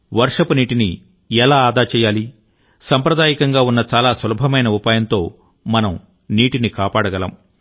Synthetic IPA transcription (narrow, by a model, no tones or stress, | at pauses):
ʋɐɾʂɐpniːʈini | ɛlaːaːd̪aːt͡ʃɛːjaːli | sɐmpɾɐd̪aːjikɐŋɡaːunːɐt͡ʃaːlaːsɐlɐbʱɐmɐjnɐupaːjɐnt̪o̞ː | mɐnɐm | niːʈinikaːpaːɽɐɡɐlɐ̰m